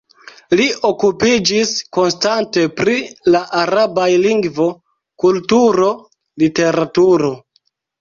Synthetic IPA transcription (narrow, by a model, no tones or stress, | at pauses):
liʔo̞kupid͡ʒisko̞nstante̞pɾilaʔaɾabajliŋɡvo̞ | kultuɾo̞ | lite̞ɾatuɾo̞